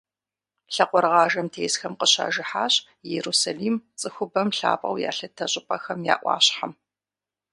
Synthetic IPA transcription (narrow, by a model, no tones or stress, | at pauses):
ɬɐqʷɔɾʁɑːʒɐmtʰeːsxɐmqəɕa̰ːʒɪħaːɕ | jɛɾusaliːmt͡sʼɨxʷʊbɐmɬa̰ːpʼɐ̰wja̰ːɬɐtʰɐɕʼɪpʼɐxɐmja̰ːʔʷɑ̰ːɕħam